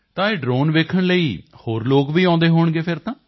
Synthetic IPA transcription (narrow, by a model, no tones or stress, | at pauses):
t̪ãːeːɖɾoːnʋeːkʰəɽləiːhoːɾloːkʋiːãːnd̪eːɦoːɳɡeːpʰɪɾt̪ãː